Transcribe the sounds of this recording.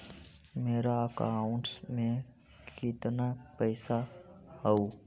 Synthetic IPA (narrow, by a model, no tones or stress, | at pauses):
meːɾaəka̰ʊ̃ɳʈsmẽ | kʰɪt̪napɛɪsahəu